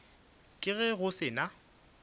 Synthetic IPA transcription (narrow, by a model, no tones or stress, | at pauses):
kʼɪɣɛɣʊsɪːna